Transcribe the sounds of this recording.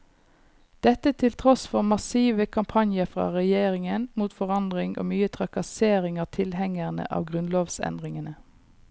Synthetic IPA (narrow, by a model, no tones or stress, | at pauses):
d̪̥ɛt̪ət̪ʰɪlt̪ʰʁɔsfɔʁmɑsiːʋəkʰɑmpʰɑnjəfʁɑ̰ːʁɛjeːʁɪŋənmuːt̪fɔʁɑnd̪ʁɪŋʔo̰ːmyːət̪ʰʁɑkɑseːʁɪŋɑʁt̪ʰɪlhɛŋəʁnə̰ʔɑ̰ːʋɡʁʉnloːʋsɛ̰nd̪ʁɪŋənə